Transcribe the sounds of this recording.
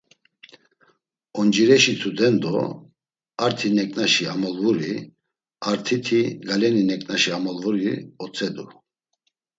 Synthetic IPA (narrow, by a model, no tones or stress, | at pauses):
ɔnd͡ʒiɾɛʃit͡sʰud̪ɛnd̪ɔ | aɾt̪ʰinɛkʼnaʃiamɔlvuɾi | aɾt̪ʰit̪ʰiɡalɛninɛkʼnaʃiamɔlvuɾiɔt͡sʰʼɛd̪u